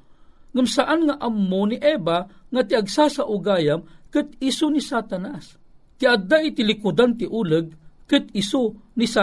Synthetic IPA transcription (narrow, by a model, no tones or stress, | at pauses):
ŋamsaʔanŋaʔamːoniʔɛbaŋat̪iaɡsasaʔʊɡaːjamkɨt̪isunisat̪anas | t̪iʔad̪ːaʔit̪ilikud̪ant̪iʔuːləɡ̚kɨt̪̚isunisa